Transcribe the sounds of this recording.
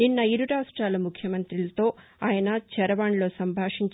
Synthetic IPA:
ninːɐiɾuɾaːʂʈɾaːlɐmukʰjɐmɐnt̪ɾilɐt̪o̞ː | aːjɐnɐt͡ʃɛɾɐʋaːɳlo̞ːsɐmbʱaːʂiɲt͡ʃ

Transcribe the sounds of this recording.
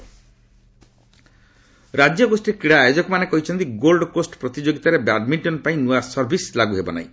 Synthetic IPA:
ɾad͡ʒjɔɡosʈiɾkiɽaːjɔd͡ʒɔkumanekɔɦit͡ʃʰɔnt̪iɡolɖkosʈpɾɔt̪id͡ʒoɡit̪aɾebaɖmiɳʈɔnpaĩnuasɔɾbʱislaɡuɦebɔ̰na̰ḭ̃

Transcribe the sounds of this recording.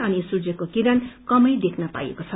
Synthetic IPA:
ʌnisud͡zʌkokiɾankʌmʌjd̪ekʰnʌpa̰jḛkot͡sʰʌ

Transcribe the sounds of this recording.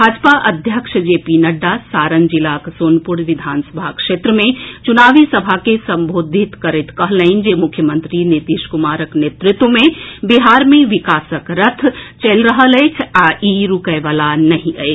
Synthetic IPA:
bʱaːd͡ʒpaʔɐd̪ʱjəkʃd͡ʒeːpinɐɖːasaːɾənd͡ʒɪlaːksoːnpʊɽʋɪd̪ʱaːnsəbʱakʃeːt̪ɾəmẽt͡ʃʊnaːʋisɐbʱakesɐ̃mbʱoːd̪ʱɪt̪kɐɾɪt̪kɐɦləind͡ʒeːmʊkʰjəmə̃nt̪ɾinit̪iʃkʊmaːɾəkneːt̪ɾɪt̪wəmẽbiɦaːɾmẽʋɪkaːsəkɾət̪ʰt͡ʃelɾəɦəleekʰaʔiːɾukəʋalanɐɦĩəe

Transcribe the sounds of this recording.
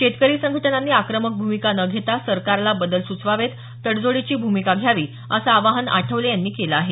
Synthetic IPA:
ɕet̪kəɾiːsəŋɡʱəʈnanːiːakɾəmək̚bʱumikanəɡʱet̪asəɾkaɾlabəd̪əlsut͡sʋaʋet̪ːəɽd͡zoɽit͡ɕiːbʱumikaɡʱjaʋiː | əsaːʋaɦəna̰ʈʰəʋlejanːiːkelaaɦe

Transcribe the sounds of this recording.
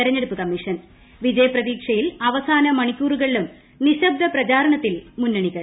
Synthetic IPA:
ɐɾɐɲːeɽupːɨkɐmːiʂɐn | ʋid͡ʑɐjɐprɐðiːkʂɐjilɐʋɐsaːnɐmɐɳikʲːuːruɣɐɭilum | niɕɐb̚d̪ʱɐprɐt͡ɕaːɾɐɳɐt̪ːilmunːɐɳiɣɐɭ

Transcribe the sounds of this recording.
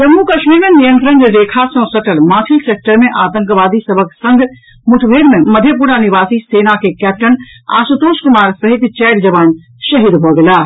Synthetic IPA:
d͡ʒɐmːukɐʃmiːɾmẽnijənʈɾə̃ŋɡɾeːkʰasɔ̃sɐʈəlmãːt̪ʰɪlseːk̚ʈəɾmẽʔaːt̪ə̃ŋkʋaːd̪isɐbʱəksɐ̃ŋɡ | mʊʈʰʋeːɾmẽməd̪ʱjəp̬uːɾaniʋaːsiseːnakekɛːp̚ʈəna̰ːsət̪oːʃkʊmaːɾsɐɦɪt̪t͡ʃɛːʈd͡ʒɐʋaːn | ʃɐɦid̪ɦoɡelaː

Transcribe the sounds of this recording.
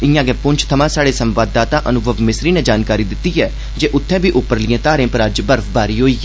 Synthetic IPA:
ɪjãːɡɛːpʊɲt͡ʃʰt̪ʰəmãːsaːɽeːsə̃mʋaːd̪ːaːt̪ãːʔənʊɡəʋmɪsɾiːnɛːd͡ʒaːnkaːɾiːd̪ɪt̪ːiːɦɛː | d͡ʒeːʔʊt̪ʰːɛ̃ːbiːʔʊpːəɾlɪjẽːt̪aːɾẽːpəɾaːd͡ʒbəɾfbaːɾiːɦoːiːɛ

